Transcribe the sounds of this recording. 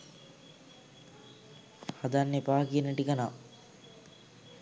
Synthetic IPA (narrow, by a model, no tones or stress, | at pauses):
had̪anːepaːkiənəʈikana